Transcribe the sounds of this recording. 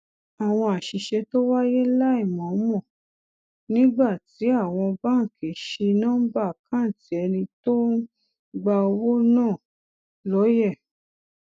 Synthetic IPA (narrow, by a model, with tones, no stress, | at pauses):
a˨w̃ɔ̃˧a˨ʃi˨ʃɛ˧to˦wa˦je˦la˦i˦˨mɔ̃˨˦mɔ̃˦˨ | nĩ˦ɡ͡ba˦˨ti˨˦a˦˨w̃ɔ̃˧ba˦ŋ̩˨kʰe˨ʃi˧nã˦ba˦˨kʰã˦˨ti˨˦ɛ˧nĩ˧to˦ | ɡ͡ba˧o˧wo˦nãː˦˨ | lɔ˨˦jɛ˦˨